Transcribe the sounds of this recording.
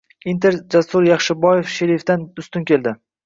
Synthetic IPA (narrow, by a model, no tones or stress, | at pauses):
int̪ʰeɾd͡ʒasʊɾjɑχʃɪbɒjefʃeɾift̪and̪ʊst̪ʊnkʲe̞ld̪ɪ